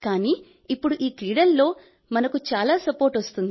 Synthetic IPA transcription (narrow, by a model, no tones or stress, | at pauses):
kaːniː | ipːuɽuʔiːkɾiːɽɐlːo̞ː | mɐnɐkut͡ʃaːlaːsɐpoːɾʈʋɐst̪und̪i